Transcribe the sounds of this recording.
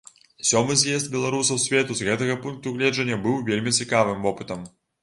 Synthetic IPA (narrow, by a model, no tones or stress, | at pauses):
sʲɔmɨzjɛsd̪̚bʲɛlˠaɾusɐwsʲvʲɛt̪uzɣɛt̪ɐɣɐpunk̚t̪uɣlʲɛʐɐnʲːɐbɨwvʲelʲmʲit͡sʲikavɨmvɔpɨt̪ɐm